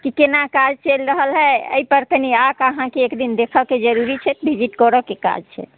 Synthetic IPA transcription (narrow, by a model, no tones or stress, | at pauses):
kikenakad͡ʒt͡ʃəlɾəɦəlɦɛə̰ipəɾkəniakəɦãkeːkd̪ind̪ekʰəlked͡ʒəɾuɾit͡ʃʰɛt̪bʱid͡ʒiʈkɔɾəkeka̰d͡ʒt͡ʃʰɛ̰